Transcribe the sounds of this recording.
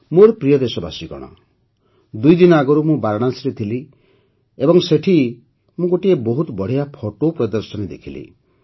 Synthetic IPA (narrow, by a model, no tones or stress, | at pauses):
moɾpɾijɔd̪esɔba̰siɡɔ̰ɽ̃ɔ̰ | d̪ujd̪inɔaɡɔɾumũbaɾɔɽ̃asɾet̪ʰili | ebɔŋseʈʰi | mũɡoʈiebɔɦut̪ɔbɔɽ̤ijapʰɔʈopɾɔd̪ɔɾsɔnid̪ḛkʰilḭ